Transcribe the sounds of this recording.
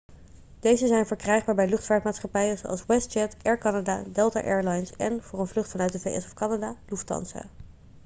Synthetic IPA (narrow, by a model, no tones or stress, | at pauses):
d̥ejzəzɛjnvəɹkrɛjχbaːɹbɛjlɵχtfaːɹtmaːtsχɑpɛjəzowɑ̰lˠswɛst̚t͡ʃɛtɛɹkɑnada̰dɛlˠta̰ʔɛɹlɑjnsɛ̰nvʊːrənvlɵχtfɑnœɥt̚dəvejʔɛ̰sɔfkɑnadaluftɑ̰nsa̰